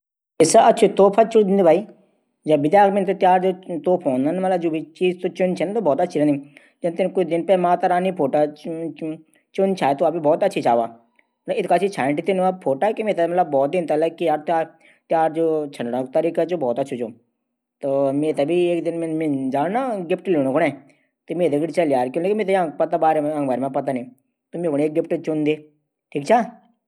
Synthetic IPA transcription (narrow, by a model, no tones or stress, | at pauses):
ɪsaɐtːʃʰut̪oːpʰat͡ʃʊd̪ɪnd̪ibʱaːi | d͡ʒɐbːɪd̪jaːkmẽnt̪ot̪jaːɾd͡ʒoːt̪oːpʰoːnd̪anmɐt̪ləbd͡ʒoːbʱit͡ʃiːzt̪ot͡ʃʊnt͡ʃʰɛnat̪obɔːt̪ɐtːʃʰiɾẽni | d͡ʒɐnt̪enkʊt͡ʃd̪ɪnpemãːt̪əɾaːnipʰoːʈa | t͡ʃʊnt͡ʃʰaːet̪oɐpbibɔːt̪ɐtːʃʰit͡ʃaːʋaː | mɐləɪt̪kaːt͡ʃʰit͡ʃʰãːɳʈit̪inapʰoːʈakimeːt̪amɐt̪ləbːɔːt̪̚d̪ɪnt̪ɐləkːijaːɾt̪jaːɾ | t̪jaːɾd͡ʒoːt͡ʃʰə̃ɳɖɽãkt̪əɾiːkat͡ʃobɔːt̪ɐtːt͡ʃʰit͡ʃõ | t̪oːmeːt̪abieːkd̪ɪnmmẽd͡ʒaːɽnaɡɪpʰʈleːɽ̃õkʰʊɽẽ | t̪omeːt̪d̪eɡɪɽit͡ʃɐljaːɾkjõleːkmeːt̪ajãpɐt̪abaːɾeɐ̃ŋɡbaːɾmãpɐt̪̬anĩː | t̪omẽkʊɽeːk̚ɡɪpʰʈt͡ʃʊnd̪eː | ʈʰiːkt͡ʃʰaː